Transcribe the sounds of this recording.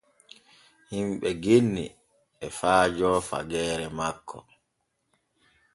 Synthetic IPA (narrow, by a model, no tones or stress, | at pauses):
himɓɛɡenːḭ | ɛfaːd͡ʒɔːfa̰ɡɛːɾɛmakːɔ̰